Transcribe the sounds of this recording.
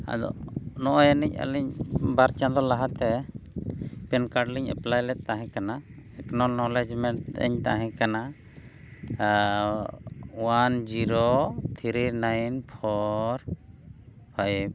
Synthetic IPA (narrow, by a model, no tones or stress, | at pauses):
a̰d̪ɔ̰nɔʔɔjanɛc̚a̰lɛɲbaɾt͡ʃãd̪ɔlaɦat̪ɛ | pɛnkaɾɖliɲɛ̰plajlɛt̪ːaɦɛ̃kanaɛknɔlnɔlɛd͡ʒmɛɳʈɛ̰ɲt̪aɦɛ̃kana | wand͡ʒiɾɔt̪ʰiɾinajnpʰɔɾ | pʰaɛb̚